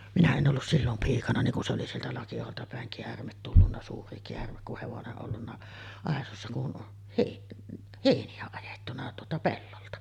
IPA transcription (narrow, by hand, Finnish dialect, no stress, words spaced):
minæ en ʔolːus silːom piːkɑnɑ niŋ ku se oli sieltæ lɑkiɑholtɑ pæˑeŋ keærmet tulːunːɑ suːri keærmek kuh heʋoneʔ ʔolːunːɑ ɑˑesosːɑ kun heˑiʔ heˑiniæ ɑjetːunɑ tuotɑ pelːoltɑ